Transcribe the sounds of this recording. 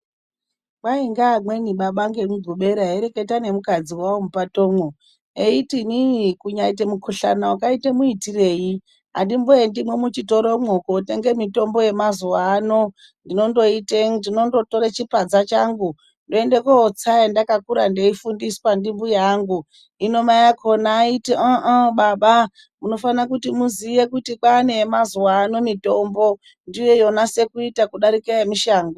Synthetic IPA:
kaiŋɡaːmwe̞niɓaɓaŋɡeŋuɡʱuɓe̞ɾaeɾe̞ke̞tane̞mukad͡ziwawomupatoːmo | eitinikuɲaitemukʰuɬa̰nawakaitemuitire̞ji | ɦa̰ndimbojendimwemut͡ʃito̞ɾomokote̞ŋɡe̞mito̞mbo̞je̞mazuwaːno̞ | ndino̞ndo̞iteŋndino̞ndo̞to̞ɾet͡ʃipad͡zat͡ʃaŋɡu | ndoendekoot͡saendakakuɾandeifundisi̥pandimbujaːŋɡu | ino̞majakʰo̞naːiteaʔaɓaɓa | muno̞fanakutimuzije̞kutikaːneːmazuwano̞mito̞mbo̞ | ndijo̞jo̞nase̞kuitakuɗaɾikejemiʃaːŋɡo

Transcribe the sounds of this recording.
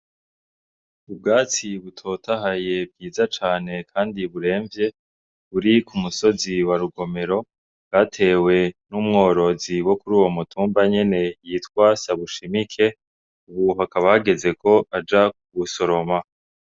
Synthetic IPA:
ub̚ɡaːt͡siβutʰo̞tʰaɦaje̞b̚ɡiːzat͡ʃaːne̞kʰaːndiβuɾe̞ːɱvje̞ | βuɾikumuso̞ziwaɾuɡo̞me̞ɾo̞ | ɡ̥atʰe̞ːwe̞numŋo̞ːɾo̞ziwo̞kuɾuːwo̞mutʰuːmbaɲe̞ne̞jitkwaːsaβuʃimikʰe̞ | uβuɦakaβahaɡe̞ze̞kʰo̞ʔad͡ʒak̚uβuso̞ɾo̞ma

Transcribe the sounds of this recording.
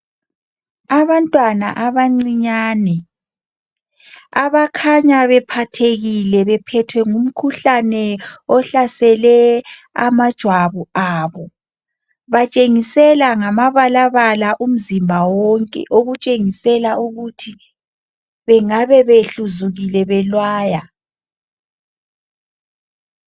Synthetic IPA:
aβantʼwana̰ʔaβaŋ͡ǀiɲaːnɛ | aβakʰaɲaβɛpʰatʰeɣilɛβɛpʰɛtʰwɛŋum̩kʰuɬanɛɔɬasɛlɛa̰mad̥ʒ̥ʱwaβuaːβɔ | βat͡ʃʼeŋisɛlaŋamaβalaβalaʔum̩zimbʱawɔŋkʼɛ̰ʔoɣut͡ʃʼeŋisɛlaʔuɣutʰi | βɛŋaβɛβeɬuzuɣilɛβɛlwaːja

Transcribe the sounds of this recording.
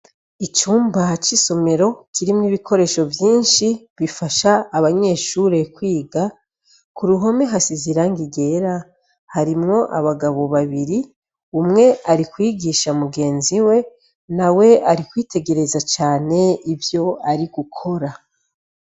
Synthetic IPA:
it͡ʃuːmbat͡ʃiso̞me̞ɾo̞kiɾimŋiβikʰo̞ɾe̞ːʃovjiːnʃiβifaʃaːβaɲe̞ʃuɾe̞kwiːɡa | kuɾuɦo̞me̞ɦasiziɾaŋɡiɡe̞ːɾa | haɾimŋo̞ʔa̰βaɡaβo̞βaβiɾi | umŋe̞aɾikwiːɡiːʃamuɡe̞ːnziwe̞ | nawe̞aɾikwiːtʰe̞ɡe̞ɾe̞zat͡ʃaːne̞ivjo̞aɾiɡ̥ukʰo̞ɾa

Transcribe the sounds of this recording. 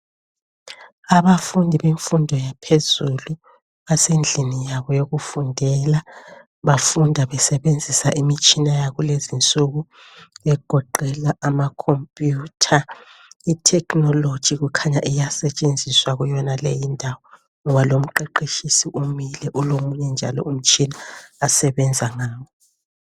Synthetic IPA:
aβafundʱiβeɱfundʱɔjapʰezulu | βasend͡ɮʱinijaβɔjoɣufundʱɛla | βafundʱaβɛsɛβend͡zʱisaʔimit͡ʃʼinajaɣulezint͡sʼuɣu | βɛɡ̥ʱɔǃʱɛlaʔamakʰompʼjuːtʰaitʰɛknɔlod̥ʒ̥ʱiɣukʰaɲaʔijasɛt͡ʃʼend͡zʱiswaɣujɔnalejindʱawɔ | ŋɔβalom̩ǃeǃiʃisiʔumilɛʔulomuɲɛnd͡ʒʱa̰lɔ̰um̩t͡ʃʼinaːsɛβɛnd͡zʱaŋaːwɔ

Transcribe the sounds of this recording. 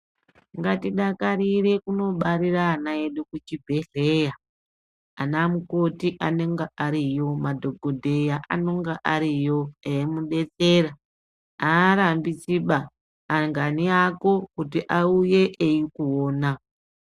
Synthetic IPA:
ŋɡatiɗakaɾire̞kuno̞ɓaɾiraːnaeɗukut͡ʃibʱe̞ɮeja | anamuko̞tiʔane̞ŋɡaʔaɾijo̞madʱo̞ɡʱodʱe̞jaʔa̰no̞ŋɡaʔaɾijo̞ejemuɗe̞t͡se̞ɾa | aːɾambisiɓaː | ŋɡaniako̞kutiʔauje̞ʔeikuoːna

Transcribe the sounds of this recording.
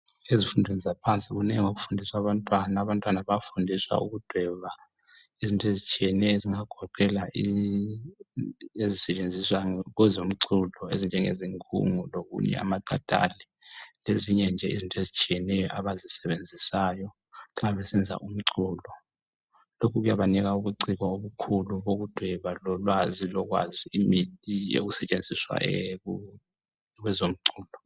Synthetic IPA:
ezifundʱizizapʰant͡sʼiɣuneŋiŋokufundʱiswaβantʼwanaːβantʼwanaβafundʱiswa̰ṵɣud̥ʱwɛβa | izintʼezit͡ʃʼijɛnɛjɔeziŋaɡ̥ʱɔǃʰɛlaʔi | ezisɛt͡ʃʼend͡zʱiswaɣwɛzom̩ǀʰulɔezind͡ʒʱɛŋḛziŋkʼṵŋuloɣṵɲɛ̰a̰maǃad̥ʱa̰lɛ | leziɲɛnd͡ʒʱɛizintʼɔezit͡ʃʼijɛnɛjɔʔaβazisɛβend͡zʱisajɔ | ǁaβɛsɛnd͡zʱa̰ʔum̩ǀʰuːlɔ | lokʰuɣujaβanɛɣ̬aukuǀiɣaoβukʰuluβoɣud̥ʱwɛβalɔlwazilɔk̬wa̰zimijo̰k̬usɛt͡ʃʼend͡zʱiswa̰ɛu | wɛzom̩ǀuːlɔ

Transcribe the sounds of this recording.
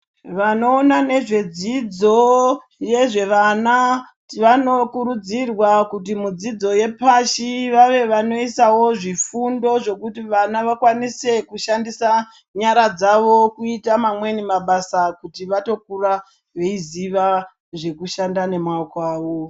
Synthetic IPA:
ʋano̞ːnane̞ʐe̞d͡zid͡zo̞ | je̞ʐe̞ʋana | ʋano̞kuɾud͡zirwakut̬imud͡zid͡zo̞je̞paʃiʋaʋe̞ʋano̞isawo̞ʐifundo̞ʐe̞kutiʋanaʋakwanise̞kuʃandisa | ɲaɾad͡zaʋokuitamamwe̞nimaɓasakutiʋato̞k̚ura | ʋe̞iziʋa | ʐe̞kuʃandane̞mwaokwaːʋo

